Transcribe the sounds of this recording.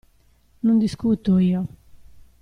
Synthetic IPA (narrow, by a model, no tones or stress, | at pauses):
nund̪iskuːt̪oiɔ